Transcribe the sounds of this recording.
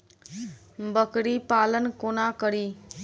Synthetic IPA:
bəkɾipalənkonakəɾi

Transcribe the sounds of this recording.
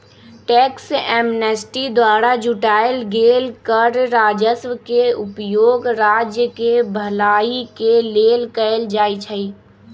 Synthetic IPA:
ʈɛːksɛːmnəsʈid̪waːɾad͡ʒʊʈaːelɡeːlkəɾɾaːd͡ʒəsʋəkeʊpjoːɡɾaːd͡ʒjəkebʱəlaːikeleːlkəɪld͡ʒaːit͡ʃʰəi

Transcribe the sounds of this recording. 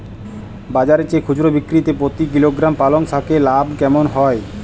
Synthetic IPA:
bad͡ʑaɾet͡ɕekʰud͡ʑɾobikːɾit̪epɾot̪ikiloɡɾampaloŋt̪ʰakelabkɛmonɦɔe

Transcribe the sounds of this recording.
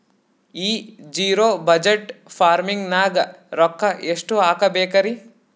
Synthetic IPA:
iːd͡ʒiːɾoːbɐd͡ʒeʈfʰaːɾmiŋɡnaːɡɐɾɔkːɐeʂʈuaːkɐbeːkɐɾi

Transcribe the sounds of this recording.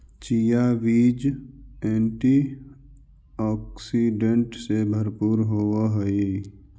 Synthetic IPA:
t͡ʃijaʋiːd͡ʒẽːɳʈi | ɔːksiɖẽɳʈsebʱəɾpuːɾɦoːwaɦəi

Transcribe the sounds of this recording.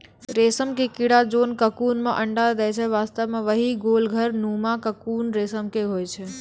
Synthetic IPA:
ɾesəmkekiɽad͡ʒonkəkuːnmeʔəɳɖad̪ɛt͡ʃʰɛʋast̪əʋmeʋəɦiɡolɡʱəɾnumakəkuːnɾesəmkeɦojt͡ʃʰɛ

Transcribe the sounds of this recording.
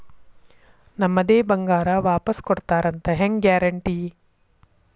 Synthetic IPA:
nɐmːɐd̪eːbɐŋɡaːɾaʋaːpɐskɔɽt̪aːɾɐnt̪ɐɦeŋɡjaːɾɐɳʈiː

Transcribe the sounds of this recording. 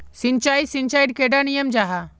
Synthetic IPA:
sint͡ʃaːisiɲt͡ʃaːjɖkeɖanijəmd͡ʒaɦa

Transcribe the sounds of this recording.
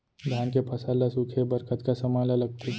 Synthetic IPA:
d̪ʱjaːnkepʰəsalasukʰebəɾkət̪kasəmajlaləɡ̚t̪e

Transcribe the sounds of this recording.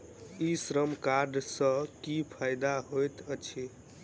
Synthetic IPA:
isɾəmkaɾɖsə̃kipʰajd̪aɦojt̪ət͡ʃʰi

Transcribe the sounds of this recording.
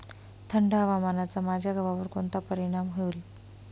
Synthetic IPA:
t̪ʰəɳɖaʋamanat͡samad͡ʑʱjaɡəʋaʋəɾkoɳt̪apəɾiɽ̃amɦeul

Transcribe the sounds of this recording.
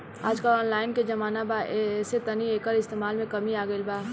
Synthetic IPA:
aːd͡ʒkəlɔːnlaːɪnked͡ʒɐmaːnabaʔeset̪ənieːkəɾɪst̪eːmaːlmẽkɐmiaːɡəɪlbaː

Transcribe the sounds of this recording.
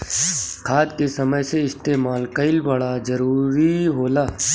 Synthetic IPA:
kʰaːt̪̚kesɐməjseɪst̪eːmaːlkɐɪlbɐɽad͡ʒɐɾuːɾiɦoːlaː

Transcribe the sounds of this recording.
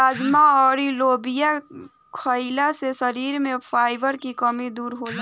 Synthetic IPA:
ad͡ʒmaɔːɾilobija | kʰəɪlasesəɾiɾmẽpʰaːɪbəɾkikəmid̪uːɾɦod͡ʒa

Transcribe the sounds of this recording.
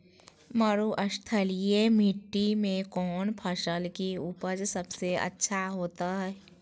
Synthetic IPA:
məɾuʔəʃt̪ʰəlijemiʈːimẽkɔːnpʰəʃəlkiʊpəd͡ʒsəbseə̰tːʃʰaɦoːt̪aɦɛː

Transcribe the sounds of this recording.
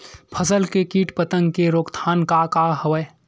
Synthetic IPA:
pʰəsəlkekiːʈpət̪ə̃ŋɡkeɾoːkt̪ʰaːnkakaɦəʋəj

